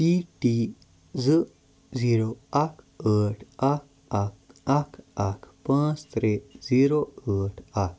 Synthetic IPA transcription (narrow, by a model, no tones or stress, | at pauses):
piʈi | d͡zə | d͡ziɾoakʰ | əʈʰak̚ | akakʰakʰpãt͡st̪ɾed͡ziɾoəʈʰak